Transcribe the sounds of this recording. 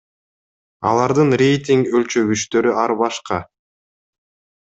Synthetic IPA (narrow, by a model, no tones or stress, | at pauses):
ɑ̰lˠɑɾd̪ɯnrʲe̞jt̪ʲiŋɡølʲt͡ʃø̞βyʃt̪ø̞ɾyɑɾβɑʃqɑ